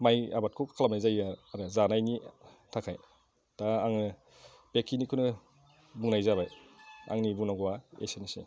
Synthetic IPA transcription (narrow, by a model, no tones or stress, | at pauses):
maja̰bat̚kʰukʰalamajzajaaɾɯzanajni | tʰakʰaj | taaŋɯ | bekʰinikʰunɯ | buŋnajzaβaja̰ŋnibuŋnaɡɔwaḛsenisḛ